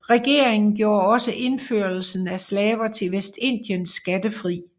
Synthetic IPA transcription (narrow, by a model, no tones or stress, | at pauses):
ʁɛɡ̥e̝ɐ̰eŋn̩ɡ̥jo̝ːɐɒ̽səʔe̝nføɐl̩sn̩æslɛːʋɐt͡sʰe̝lʋesd̥e̝n̰d̥jənsɡ̥æd̥əfʁḭː